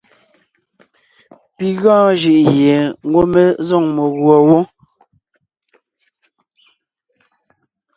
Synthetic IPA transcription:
pi˨ɣɔ̃ː˦ʒi˨ʔje˨ŋ̩˦ɡo˦me˦zɔ˦˨ŋmo˨ɣwɔ˨wo˦

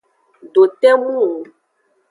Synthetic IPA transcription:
ɖo˨t̪ɛ˦mũ˦o˨

